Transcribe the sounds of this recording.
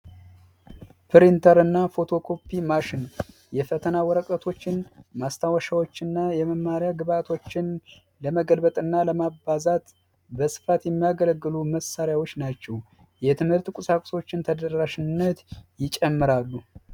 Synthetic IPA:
pʰɨɾint̪ʰəɾɨnːafo̞t̪ʰo̞kʰo̞pʰːimaʃɪn | jɛfət̪ʰənawɔɾəkʼət̪ʰo̞t͡ʃːɪnmast̪ʰawəʃawo̞t͡ʃːɪnːajɛməmːaɾjaɡɨβat̪ʰo̞t͡ʃːɪn | ləməɡəlbət̪ʼɨnːaləmabazat̪ | bəsɨ̥fat̪jɛmːijaɡələɡːɨluməsaɾjawot͡ʃːnat͡ʃːɛw | jɛt̪ʰɨmhɨɾt̪kʷʼʊsakʷʼso̞t͡ʃːɪnt̪ʰəd̪ərːaʃɪnːət̪jɪt͡ʃʼɛmːɨɾalːu

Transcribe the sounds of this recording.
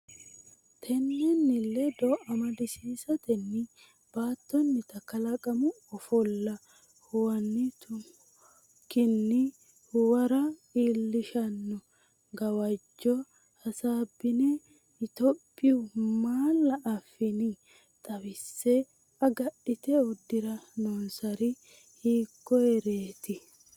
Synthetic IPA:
t̪ʰɛnːɛnːɪlːɛd̪ɔʔɐmɐd̪ɪsiːsɐt̪ɛnːɪ | b̥aːt̪ːɔnːɪt̪ɐkːɐlɐkʼɐmʊ | ɔfɔlːɐ | hwɐnːɪt̪ʊ | kɪnːɪ | wɐɾɐiːlːɪʃɐnːʊ | ɡɐwɐd͡ʒːɔ | hɐsaːbːɪnɛ | ɪt̪ɔpʼːɪʊmaːlːɐʔɐfɪnɪ | t̪ʼɐwɪsːɛ | ɐɡɐʔɪt̪ɛʊd̪ːɪɾɐnɔnsɐɾɪ | hiːkːɔɛɾeːt̪ɪ

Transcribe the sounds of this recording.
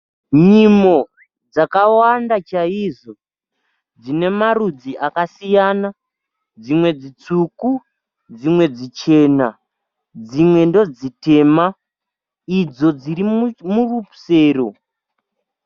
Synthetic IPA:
ɲimo̞ | d͡zakawandat͡ʃaiʐo̞ | d͡zine̞marud͡ziʔakasijana | d͡zimwe̞d͡zit͡suku | d͡zimwe̞d͡zit͡ʃe̞na | d͡zimwe̞ndo̞d͡zite̞ːma | id͡zo̞d͡ziɾimmurupu̥se̞ːro

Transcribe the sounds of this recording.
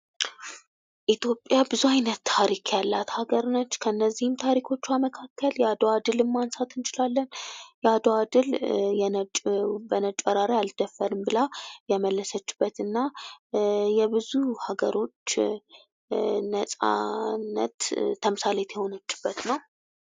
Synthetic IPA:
ʔit̪ʰjo̞pʼjabɨzuajnət̪ːʰaɾikʰjalːat̪haɡəɾnət͡ʃːkʰənːəzːihɨmt̪ʰaɾikʰo̞t͡ʃːaməkʰakʰːəljɛad̪oad̪ɨlɨmːansat̪ɨnt͡ʃɪlalːənjɛad̪oad̪ɨljɛnət͡ʃʼbənət͡ʃʼːəɾaɾajalt̪ʰːəfːəɾɨmbɨlajɛməlːəsət͡ʃːɪ̥bːət̪ɨnːa | jɛbɨzuhaɡəɾo̞t͡ʃː | nəsʼa̰nːə̰t̪ʰːəmɨsalɛt̪ʰjɛho̞nət͡ʃːɪ̥b̥ːət̪nəw

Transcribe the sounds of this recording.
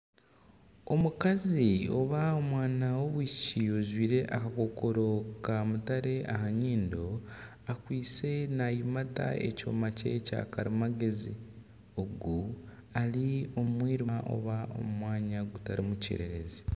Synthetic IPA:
o̞mukazio̞̰βaomwaːnawo̞βwiːciozwiːɾe̞ʔakako̞ko̞ɾo̞kamutaɾe̞ʔahaɲiːndo̞ | akwiːt͡se̞najimata̰ḛco̰mace̞̰ca̰kaɾimaɡe̞zi | o̞ɡu | alio̞mwiːɾiʔo̞̰βao̞̰mumwaːɲaɡutaɾimucḭɾe̞ɾezi

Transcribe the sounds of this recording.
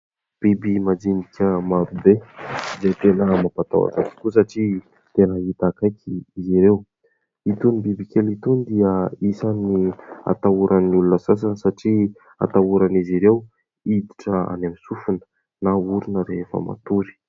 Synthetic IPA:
b̥ibimad͡zinikʲəmaɾubeizejt̪enəmapat̪a̰wa̰ʈ͡ʂat͡si̥kus̬aʈ͡ʂi | t̪enəɦit̪akajkʲʰiːziɾew | it̪unibibikʲelit̪und̪iəisania̰t̪auɾʔaniulunəsas̬anəsaʈ͡ʂi | a̰t̪auɾaniziɾew | id̪iʈ͡ʂəa̰namisufunə̥ | nauɾunəɾefə̰ma̰t̪uɾi̥

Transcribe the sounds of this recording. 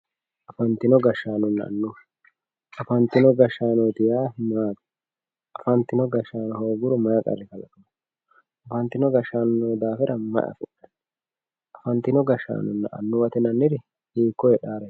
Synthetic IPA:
ʔɐfɐnt̪ɪnɔɡɐʃːaːnʊnːɐ̰ɐ̰nːʊ | ɐfɐnt̪ɪnɔɡɐʃːaːnɔjt̪ɪjaːmaːt̪ | ʔɐfɐnt̪ɪnɔɡɐʃːaːnɔhoːɡʊɾʊmɐjɐkʼɐ̰rːɪkɐlɐ̰t̪ʊn | ʔɐfɐnt̪ːɪnɔɡɐʃːaːnːɔd̪aːfɛɾɐmɐ̰ʔɐ̰fʊʔɛ | ʔɐfɐnt̪ɪnɔɡɐʃːa̰ːnʊnːɐ̰ʔɐ̰nːʊwɐt̪ɛnɐnːɪɾɪ | hiːkːɔjɛɗaːɾɛ

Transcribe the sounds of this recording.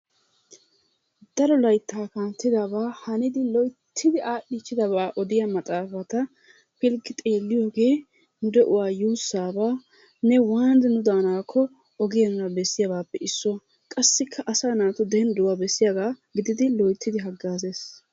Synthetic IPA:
d̪̥ɐɾɔlɐjt̪ːaːkaːnt̪ːɪd̪abaːhɐnɪd̪ɪlɔjt̪ʰːɪd̪ɪʔaːɗːit͡ʃːɪd̪ɐbaːʔɔd̪ɪjɐmɐt̪ʼaːfɐt̪ɐ | pɪlɡɪt̪ʼe̞ːlːɪjoːɡe̞ː | nʊd̪ɛʔʊwaːjuːsːaːbaː | nɛwaːnd̪ɛnʊd̪aːnaːkʰːɔ | ɔɡɪjɐnʊnɐbɛsːɪjɐbaːpːɛɪsːʊwɐ | kʼɐsːɪkʰːɐʔɐsaːnaːt̪ʊd̪ɛɛnd̪ʊwaːbɛsːɪjaɡaːɡɪd̪ɪd̪ɪlɔjt̪ʰːɪd̪ɪɦɐɡːaːzeːs

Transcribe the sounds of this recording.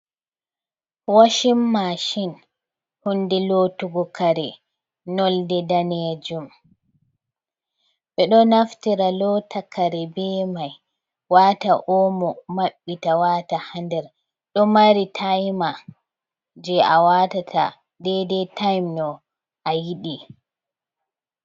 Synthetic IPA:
waʃimːaʃin | hundɛlotuɡɔkaɾɛ | nɔldɛdanɛd͡ʒum | ɓɛɗɔnaftiɾalɔtakaɾɛbɛːmaj | wataʔɔmɔmaɓːitawatahandɛɾ | ɗɔmaɾitʰajma | d͡ʒɛawatatʰa̰ | dɛdɛtajmnɔ | ʔajiɗi

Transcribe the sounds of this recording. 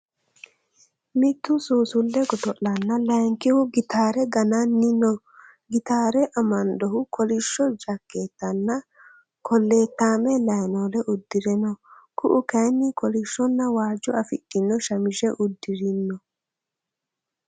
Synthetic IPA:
mɪt̪ːʊsuːsʊlːɛɡɔt̪ɔʔɐnːɐlɐŋkɪhʊɡɪt̪aːɾɛɡɐnɐnːɪnɔ | ɡɪt̪aːɾɛʔɐmɐnd̪ɔɦʊkʰɔlɪʃːɔd͡ʒɐkːe̞ːt̪ːɐnːɐ | kɔlːe̞ːt̪ːaːmɛlɐjnoːlɛʔʊd̪ːɪɾɛnɔkʊʔʊkɐjnːɪkɔlɪʃːɔnːɐwaːd͡ʒːɔɐfɪ̰ɗːɪnːɔʃɐmɪʃɛʔʊd̪ːɪɾɪnːɔ

